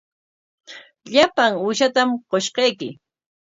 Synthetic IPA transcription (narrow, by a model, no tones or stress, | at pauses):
ʎapaŋʊːʃat̪amqoʃqɑjkɪ